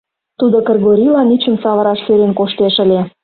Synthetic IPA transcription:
t̪ud̪okerɣoɾʲilɑnit͡ɕə̆msɑβəɾɑʃløɾenkoʃt̪eʃə̆lʲe

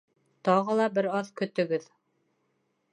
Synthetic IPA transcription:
t̪ɑʁɤlˠɑbɘɾɑðkɵ̆t̪ɵ̆ɡɘð

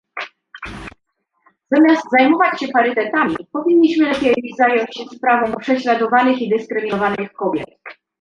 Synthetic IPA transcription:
z̥amʲjazt̪zajmɔvat͡ɕɕɛpaɾɘt̪ɛt̪amʲipɔvʲiɲːiɕmɘlɛpʲjɛjzajɔɲt͡ɕɕɛspɾavɔ̃w̃pʂɛɕlad̪ɔvanɘxid̪ɘskɾɘmʲinɔvanɘxkɔbʲjɛ̰t̪

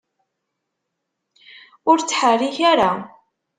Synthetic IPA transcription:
ʊɾt͡sːħərːiçaɾa

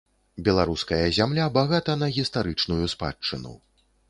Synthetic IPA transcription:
bʲɛlˠaɾuskɐjɐzʲamlʲabaɣat̪ɐnɐɣʲist̪aɾɨt͡ʂnujuspa̰t͡ʂːɨnṵ

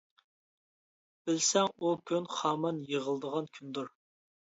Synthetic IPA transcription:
b̥ɪlsɛŋukʲʰynχɑːmɑnjəʁəlˠd̪əʁɑnkʲʰynd̪uɾ

